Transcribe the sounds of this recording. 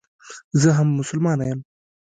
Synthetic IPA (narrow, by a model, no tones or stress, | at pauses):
zəɦamːʊsʊlmɑːnajəm